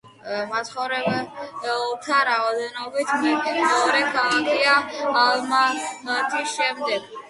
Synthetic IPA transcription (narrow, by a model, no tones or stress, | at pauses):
mat̪sχɔvɾɛbɛɔt̪ʰaɾaɔd̪ɛnɔbit̪ʰmmɛɔɾɛɡaakiaːlmamat̪ʰisʃɛmd̪ɛɡ̥